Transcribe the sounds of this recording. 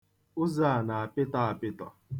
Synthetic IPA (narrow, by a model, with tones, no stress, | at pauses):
ʊ˦za˦˨a˨na˨a˨pɪ˦ta˦a˨pɪ˦tɔ̰˨